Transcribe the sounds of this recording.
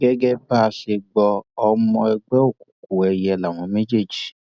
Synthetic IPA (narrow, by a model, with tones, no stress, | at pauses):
ɡɛ˦ɡɛ˦ba˦˧ʃe˧ɡ͡bɔ˧ɔ˧mɔ̃˧ɛ˧ɡ͡bɛ˦o˦˨ku̥˨ku˨ɛ˧jɛ˧la˨w̃ɔ̃˨˦me˦d͡ʒe˦˨d͡ʒi˨